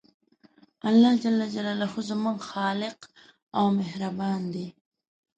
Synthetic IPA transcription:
alːɑhd͡ʒalːad͡ʒalalahozamuŋɡxɑːlɪq | awmehɾabɑːnd̪e

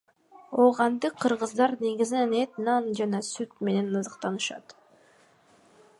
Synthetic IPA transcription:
oʁɑnd̪ɯqʰːɯɾʁɯzd̪ɑɾneɡizinenet̪nɑnd͡ʒɑnɑsyt̪me̞ne̞nɑzɯqt̪ɑnɯʃɑ̰t̪

